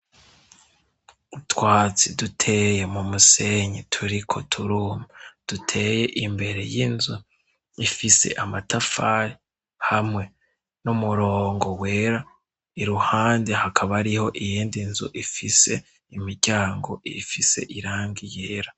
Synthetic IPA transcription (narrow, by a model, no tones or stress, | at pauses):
utwaːt͡sidutʰe̞ːjemumuse̞ɲitʰuɾikʰotʰuɾuːmad̥utʰe̞je̞ʔimbe̞ɾe̞̰jinzu | ifise̞̰ʔamatafaɾi | hamŋe̞ | numuɾoːŋɡo̞we̞ːɾa | iɾuhaːndehakʰaβaɾiho̞ʔijiːndinzṵʔifise̞ | imiɾɟaːŋɡo̞ifise̞̰ʔiɾaːŋɡijeːɾa